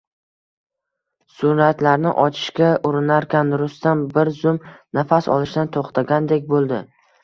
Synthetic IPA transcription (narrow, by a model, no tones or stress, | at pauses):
sʊnɾat̪laɾnɪ̰ʔɒt͡ʃʰɪ̥ʃkʲaʔʊɾɪnaɾkʲanɾʊst̪ambɪɾzʊmnafasɒ̰lˠɪʃt̪ant̪ʰoχt̪ʰaɡʲand̪e̞kʲbolˠd̪ɪ